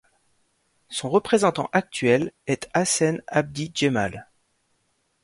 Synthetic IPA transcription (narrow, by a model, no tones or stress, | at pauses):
sɔ̃ʁəpχezɑ̃t̪ɑ̰̃ʔak̚t̪ɥɛlɛt̪asɛnab̚d̪id͡ʒema̰l